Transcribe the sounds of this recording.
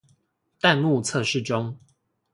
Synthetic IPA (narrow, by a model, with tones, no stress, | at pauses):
t̪a˥˧nmu˥˨t͡sʰɤ˥˧˨ʂɻ̩˥˨ʈ͡ʂʊ˦ŋ